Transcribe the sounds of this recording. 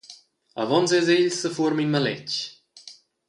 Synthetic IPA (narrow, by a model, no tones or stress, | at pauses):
a̰vɔnzɛzeʎsəfuəɾminmalɛ̰t͡ʃ